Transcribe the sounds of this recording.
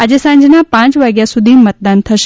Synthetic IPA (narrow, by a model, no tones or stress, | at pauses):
əd͡ʒesãɲd͡ʒnapãt͡ʃʋaɡjasud̪ʱimət̪̚d̪ant̪ʰəʃ